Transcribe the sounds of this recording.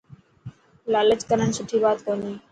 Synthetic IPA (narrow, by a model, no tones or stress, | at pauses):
laːlət͡ʃkəɾəɳsʊʈʰːiːbaːt̪koniː